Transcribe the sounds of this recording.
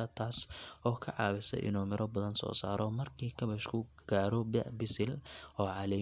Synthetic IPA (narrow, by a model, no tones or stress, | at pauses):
ɐt̪ʰaːsɔːkʰɐʕɑ̰ːβɪsɛ̰ʔɪ̰nuːmɪɾʔɔbɐðɐnsɔ̰ːsa̰ːɾɔmɐrkʰiːkʰɐβɛʃkʰʊɡ̥aːɾɔbɛ̰bɪsɪlɔːʕɑlɛ